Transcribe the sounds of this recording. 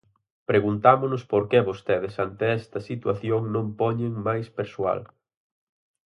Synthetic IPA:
pɾeɣunt̪amʊnʊspoɾkeβost̪eðɪsant̪eɛst̪ɐsit̪waθjoŋnõmpɔɲeŋmajspeɾsua̰l

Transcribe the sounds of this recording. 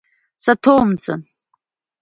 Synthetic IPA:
satʰowmt͡sʼa̰

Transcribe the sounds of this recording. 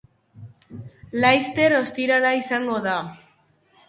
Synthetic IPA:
lajst̪e̞ɾo̞st̪iɾaɾaisaŋɡo̞ða

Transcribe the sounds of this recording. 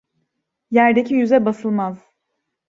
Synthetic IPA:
jæɾd̪ecʰijyzɛbasɯlˠmaz̥

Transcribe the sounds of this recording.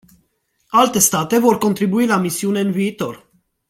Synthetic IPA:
alt̪e̞st̪at̪e̞vo̞rko̞nt̪ɾibuilamisiune̞ɨnviːt̪o̞r

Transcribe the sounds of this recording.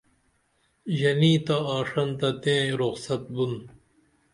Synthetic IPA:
ʑɐniːt̪aaːʂɐnt̪ɐt̪ẽːɾoqsɐt̪̚bun

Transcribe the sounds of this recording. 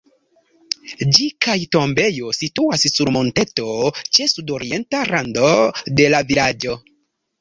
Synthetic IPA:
d͡ʒikajto̞mbe̞jo̞situassuɾmo̞nte̞to̞t͡ʃe̞sudo̞ɾie̞ntaɾando̞de̞lavilad͡ʒo̞

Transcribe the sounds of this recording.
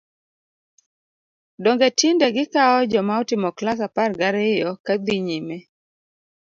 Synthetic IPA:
dɔŋɡetindɛɡɪkaɔd͡ʒɔmaɔtɪmɔklas̬aparɡaɾɪjɔkad̪iɲime

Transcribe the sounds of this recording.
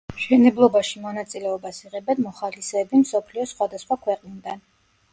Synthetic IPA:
ʃɛnɛblˠɔbaʃimɔnat̪sʼilɛɔbasiʁɛbɛnmɔχalisɛːbimsɔpʰliɔsχwad̪asχwakʰwɛqʼnid̪an

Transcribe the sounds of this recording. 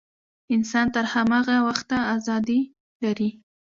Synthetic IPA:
ɪnsɑnt̪əɾhamaɣawaxt̪aazɑd̪i | laɾi

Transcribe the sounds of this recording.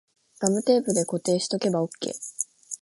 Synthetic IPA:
ɡ̥amɯ̟t̪e̞ːpɯ̟d̪e̞ko̞t̪e̞ːɕi̥t̪o̞ke̞bao̞kːe̞̰ː

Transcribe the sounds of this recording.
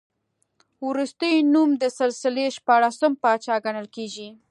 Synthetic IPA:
wɾust̪əjnumd̪əsɪlsɪleʃpɑɽasəmpɑt͡ʃɑɡanəlkeɡi

